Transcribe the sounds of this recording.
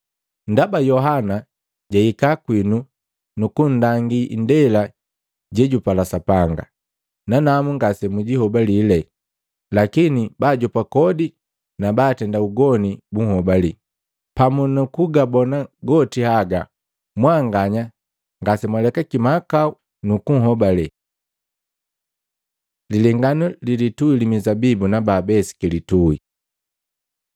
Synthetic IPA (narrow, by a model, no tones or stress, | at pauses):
n̩dabajɔɦana | ɟaikakwinu | nukundaŋɡindɛla | ɟɛɟupalasapaŋɡa̰ | nanamuŋɡasɛmuɟihɔbalilɛ | lakinibaːɟɔpakɔdi | nabaːtɛndauɡɔnibuŋhɔbali | pamunukuɡabɔnaɡɔtihaɡa | mwaŋɡaɲa | ŋɡasɛmwalɛkakimakau | nukuŋ̩ɦɔbalɛ | lilɛŋɡanulilituilimizabibunabaːbɛsi̥kilitui